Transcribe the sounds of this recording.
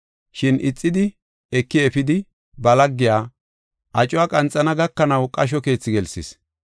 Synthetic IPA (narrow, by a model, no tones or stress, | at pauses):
ʃɪnʔɪt͡sʼːɪd̪ɪ | ɛkːɪɛfɪd̪ɪ | bɐlɐɡːɪjaː | ʔɐt͡ʃʼʊaːkʼɐnt͡sʼːɐnɐɡɐkːɐnɐwkʼɐʃ̬ɔke̞ːt͡sːɪɡɛlsɪs